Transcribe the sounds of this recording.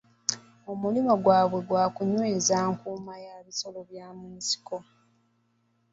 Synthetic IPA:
omulimoɡwaːβwe̞ɡwaːkuɲweːzaːŋkuːmajaβiso̞loβjaːmunsi̥ko

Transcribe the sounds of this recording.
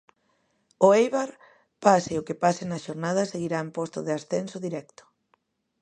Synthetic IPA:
ʊejβaɾ | pasɪeʊkɪpasɪnɐʃoɾnað̞ɐseɣiɾaempost̪ʊðeasθensoðiɾɛkt̪ʊ̥

